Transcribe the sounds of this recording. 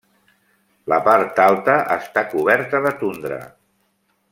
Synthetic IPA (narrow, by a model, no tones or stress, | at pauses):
ləpaɾt̪alˠt̪əʔə̰st̪akuβɛɾt̪əðət̪und̪ɾə̰